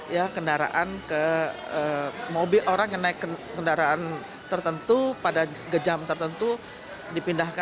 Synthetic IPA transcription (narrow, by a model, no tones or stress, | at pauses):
jakəndaɾa̰ʔankə | əmobilʔoɾaŋjaŋnaɪkːəkəndaɾaan | t̪ərt̪ənt̪upada | ɡəd͡ʒamt̪ərt̪ənt̪u | dipindahka